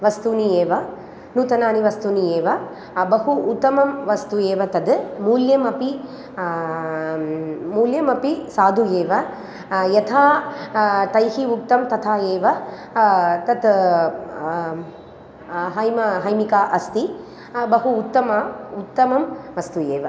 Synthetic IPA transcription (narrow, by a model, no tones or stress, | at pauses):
ʋɐst̪uːnijeːʋɐ | nuːt̪ɐnaːniʋɐst̪unijeːʋɐ | bɐɦuːt̪ːɐmɐmʋɐst̪ueːʋɐt̪ɐd̪muːljɐmɐpi | muːljɐmɐpisaːd̪ʱujeːʋɐ | jɐt̪ʰaː | t̪ɐjɦiuk̚t̪ɐmt̪ɐt̪ʰaːjeːʋɐ | t̪ɐt̪ | ɦɐjmɐɦɐjmikaːʔɐst̪i | bɐɦuːt̪ːɐmɐut̪ːɐmɐmʋɐst̪ujeːʋɐ